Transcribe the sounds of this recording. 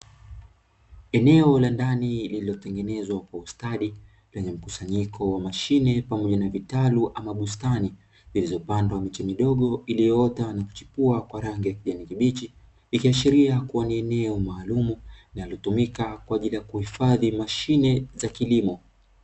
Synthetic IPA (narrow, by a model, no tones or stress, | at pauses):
ɛnɛɔlandanilililɔtɛŋɡɛnɛzwakwaustaɗi | lɛɲɛm̩kusaɲikʰɔwamaʃinɛpamɔʄanavitaluʔamaɓustani | zilizɔpandwamit͡ʃɛmiɗɔɠɔilijɔɔtanaku̥t͡ʃi̥puakwaɾaŋɡijakiʄanikiɓit͡ʃi | likiaʃiɾiakuwaniɛnɛɔmaːlumuinalɔtumikakwaːʄilijakuhifaðimaʃinɛzakilimɔ